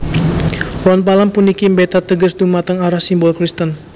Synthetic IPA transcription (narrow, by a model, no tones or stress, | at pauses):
wɔnpalampunikimbet̪at̪əɡəsd̪umat̪əŋaɾahsimbɔlkɾist̪ən